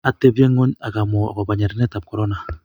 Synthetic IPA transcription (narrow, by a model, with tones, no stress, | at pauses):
a˦te˦bje˦ŋo˦ɲa˨ka˨mɔ˨a̰˨ka˨ba˨ɲɛ˨ɾɛ˨nɛ˦ta˨p̚kɔ˨ɾɔ˦na˨